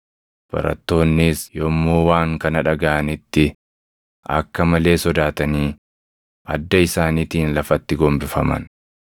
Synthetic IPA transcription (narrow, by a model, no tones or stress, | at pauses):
b̥ɐ̰ɾɐ̰t̪ːo̞ːnːɪsjɔmːoːwaːŋkɐnɐᶑɐɡaʔɐnɪt̪ːɪ | ʔɐ̰kːɐmɐle̞ːsɔd̪aːt̪ɐniː | ʔɐd̪ːɐɪsaːnit̪iːnlɐfɐt̪ːɪɡɔmbɪfɐmɐ̰n